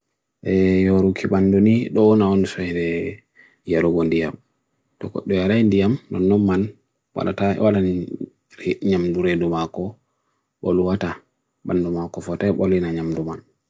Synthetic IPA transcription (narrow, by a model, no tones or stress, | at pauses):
ʔɛjɔɾukʰiɓanduniɗɔnawɔnsɔjdɛ | jaɾuɡɔndijam | tɔkɔ̰ɗːɔjaɾajndijamnɔ̰nːɔmːan | wa̰la̰tawalani | ɲamduɾedumakɔ | ɓɔ̰luwata | ɓandumakɔfɔtajɓɔlinaɲamduman